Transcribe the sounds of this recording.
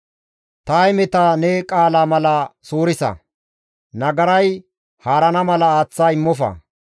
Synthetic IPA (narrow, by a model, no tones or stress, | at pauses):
t̪ajmɛt̪anɛkʼaːlaːmɐlɐsoːɾɪsɐ̰ | nɐɡɐɾɐj | haːɾɐnɐmɐlɐaːt͡sːaːɪmːɔfɐ̰